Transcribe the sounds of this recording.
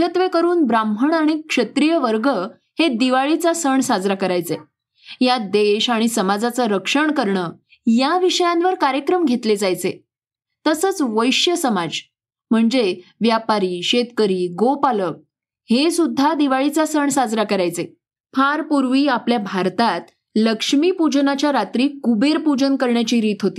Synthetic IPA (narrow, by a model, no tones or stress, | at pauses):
ət̪ʋekəɾuːnbɾambʱəɳaɽ̃ikʂət̪ɾijəʋəɾɡə | hed̪iʋaɭit͡sasəɳsad͡zɾakəɾajt͡se | jad̪eɕaɽ̃isəmad͡zat͡saɾəkʂəɳkəɾɳə | jaʋiɕəjãnʋəɾkaɾjəkɾəmɡʱet̪led͡zajt͡se | t̪əsət͡sʋəjɕjəsəmad͡z | m̤əɳd͡zeʋjapaɾiːɕet̪kəɾiːɡopalək̚ | hesud̪ʱːad̪iʋaɭit͡sasəɳsad͡zɾakəɾajt͡se | faɾpuɾʋiːapljabʱaɾt̪at̪ | ləkʂmiːpud͡ʑnat͡ɕjaɾat̪ɾiːkubeɾpud͡ʑənkəɾɳjat͡ɕiːɾiːt̪ɦot̪iː